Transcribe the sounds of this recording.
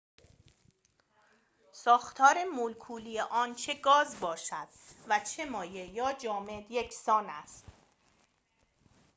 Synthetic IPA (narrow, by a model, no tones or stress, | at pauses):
sɒːxt̪ʰɒːɾe̞mulkʰuːlijeʔɒːnt͡ʃʰe̞ɡɒːzbɒːʃæd̪̥væt͡ʃʰe̞mɒːjejɒːd͡ʒɒːme̞d̪jecʰsɒːnæst̪